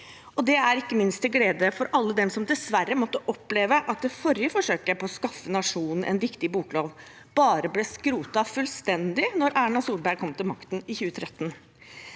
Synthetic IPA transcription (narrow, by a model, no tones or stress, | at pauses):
ɔd̪ɛæɾɪkːəmɪnst̪̚ɛɡleːd̪əfɔɾʔɑlːəd̪ɛmsɔmd̪ɛsʋærːəmɔt̪ːəʔɔpleːʋəʔɑt̪̚d̪ɛfɔɾɪəfɔʂøːkəpɔɔskɑfːənɑʂuːnn̩ʔɛ̰nɾɪkt̪ɪbuːkloːʋ | b̥ɑːɾəblɛskɾuːt̪ɑfʉlst̪ɛnd̪ɪnɔɾæːɳɑsuːlbæɾkʰɔmt̪ʰɪlmɑkt̪n̩ɪçʉːət̪ʰɾɛt̪ːn̩